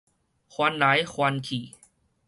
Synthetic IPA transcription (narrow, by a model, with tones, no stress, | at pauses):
kʰwa˧nla˨˦jxʰwa˧nkʰiː˨˩